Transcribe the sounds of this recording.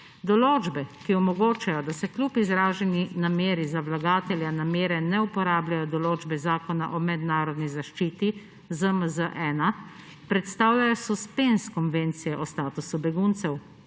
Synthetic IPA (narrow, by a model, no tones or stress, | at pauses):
d̪ɔloːd͡ʒbɛkiɔmɔɡoːt͡ʃajɔd̪asɛklʲupizɾaːʒɛninameːɾizawlaɡaːt̪ɛljanameːɾɛnɛupɔɾaːblajɔd̪ɔloːd͡ʒbɛzaːkɔna̰ʔɔmɛd̪naːɾɔd̪nizaʃt͡ʃiːt̪i | zəməzəʔɛna | pɾɛt̪st̪aːwlʲajɔsɔspenskɔnveːnt̪sijɛʔɔst̪aːt̪usubɛɡuːnt̪sɛw